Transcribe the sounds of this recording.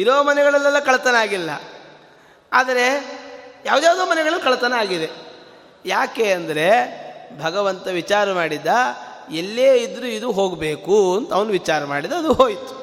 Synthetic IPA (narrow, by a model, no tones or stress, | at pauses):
iɾoːmɐnɛɡɐɭɐlːɛlːɐkɐɭt̪ɐnaːɡilːɐ̰ | aːd̪ɐɾe̞ | jaːʋwd̪jaːʋd̪oːmɐnɛɡɐɭɐlːkɐɭt̪ɐnaːɡid̪e̞ | jaːke̞ːɐnd̪ɐɾe̞bʱɐɡɐʋɐnt̪ɐʋit͡ʃaːɾɐmaːɽid̪ːaelːeːid̪ɾuid̪uɦo̞ːɡbe̞ːkuɐnt̪ɐʋɐnuʋit͡ʃaːɾɐmaːɽid̪ɐɐd̪uɦoːjt̪u̥